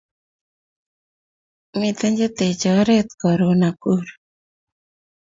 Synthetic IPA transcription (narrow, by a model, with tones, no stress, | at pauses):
mi˦t̪e˦ɲd͡ʒe˦t̪e˨t͡ʃɔ˨˦ɾe˦t̪̚kɔ˨ɾo˨na˨ku˦ɾ